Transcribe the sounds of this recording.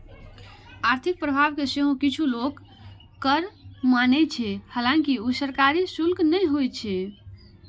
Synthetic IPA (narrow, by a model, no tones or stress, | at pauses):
aɾt̪ʰik̚pɾəbʱabkeseɦõkit͡ʃʰulok | kːəɾmanɛt͡ʃʰɛhalãŋkiusəɾkaɾisulknəjɦojt͡ʃʰɛ